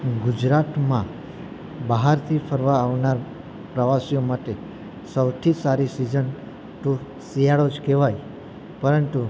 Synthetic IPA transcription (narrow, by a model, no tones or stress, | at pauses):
ɡʊd͡ʒɾat̪mã | baɦaɾt̪ʰifʰəɾʋaːʋnaɾ | pɾəʋasijomaʈe | səwt̪ʰisaɾisid͡ʒən | t̪u | sijaɭod͡ʒkeʋaj | pəɾənt̪u